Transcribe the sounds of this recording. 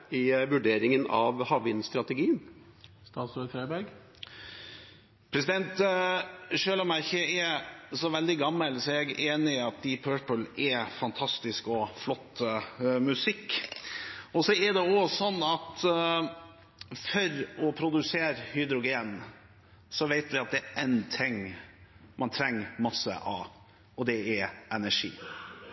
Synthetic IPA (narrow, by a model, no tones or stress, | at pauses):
ɪʋʉɖeːɾɪŋənɑ̰ʋhɑʋɪnst̪ɾɑt̪ɛɡiːən | st̪ɑːt̪sɾɔtʰɾɑɪbæɾɡ | pʰɾɛs̬ɪd̪ɛnt̪ | ʃøːlɑmæɾçəɛɾsɔʋɛld̪ɪɡɑmːəlsɔɛɡeːnɪɑt̪̚d̪ɪpʰøːpəlɛfɑnt̪ʰɑst̪ɪskɔflɔt̪ːmʉsɪkː | ɔsɔɛd̪ɛɔsɔnːɑt̪ | fœɾɔpʰɾʊd̪ʉseːɾhʏd̪ɾʊɡeːn | sɔʋeɪt̪ʋɪɑt̪̚d̪ɛʔɛɪnt̪ʰɛŋ | mʔɑnt̪ʰɾɛŋːmɑsːə̰ʔɑ̰ | ɔd̪ɛɛɛnæʂḭː